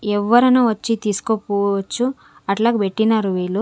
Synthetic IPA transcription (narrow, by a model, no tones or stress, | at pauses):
ɛʋːɐɾunuːʋɐt͡ʃːit̪iːsu̥kopuɐt͡ʃːu | ɐʈlaːɡebeʈːinaːɾuʋiːlu